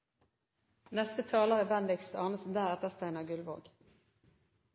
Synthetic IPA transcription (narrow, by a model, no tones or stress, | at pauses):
nɛst̪ət̪ʰɑːlaɾəbɛnd̪ɪkst̪ɑːnəsnd̪æːɾat̪ʰɛst̪aɛnaɡɵlvo̰ːɡ